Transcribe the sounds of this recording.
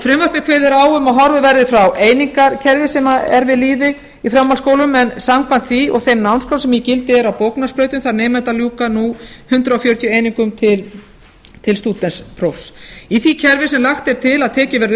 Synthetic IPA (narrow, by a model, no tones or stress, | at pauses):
fɾɪmvœɾ̥pɪkʰveːðɪɾaːwʏmaðɦɔɾvʏvɛɾðɪfɾawʔeːjniŋkaɾcʰɛɾvɪsɛmaɛ̰ɾvɪðliːðɪ | ifɾamːalskoːwlʏmɛnsamkan̥t̪θviɔ̰ɣθejmnawnskʰawsɛmjɛcɪlt̪ɪɛɾawpowknaspɾœɥjt̪ʏmθaɾnɛːmɛnt̪aljuːkanuhʏnt̪ɾaaːfjœːɾʏt̪ʰjʏeːjniŋkʏmt̪ʰɪl | t̪ʰɪlst̪uːt̪ɛspʰɾofsiθicʰɛɾvɪsɛmlaxt̪ɛɾ̥t̪ʰɪlaðt̪ʰɛːcɪvɛɾð